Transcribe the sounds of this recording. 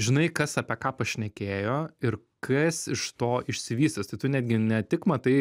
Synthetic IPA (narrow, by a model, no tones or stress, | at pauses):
ʒʲɪnɐɪkɐsɐpʲekɑːpɐʃʲnʲɛkʲeːjoːɪɾ | kʰɐsɪʃt̪oːɪʃʲsʲɪʋʲiːst̪ɐst̪ɐɪt̪ʊnʲæːd̪ʲɡʲɪnʲɛt̪ʲɪkmɐt̪ɐɪ